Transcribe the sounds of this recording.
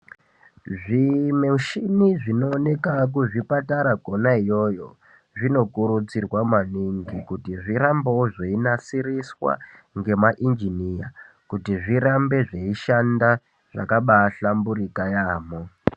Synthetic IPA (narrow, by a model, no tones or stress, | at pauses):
ʐimeuʃiniʐino̞ːne̞kak̬uʐipataɾaɡʱo̞naijo̞ːjo̞ | ʐino̞kuɾut͡sirwamaniŋɡikutiʐiɾambooʐeinasiriswa̰ | ŋɡe̞maʔind͡ʒinija | kutiʐiɾambe̞ʐeiʃanda | ʐ̥a̰kaɓaɬambuɾikajaːmo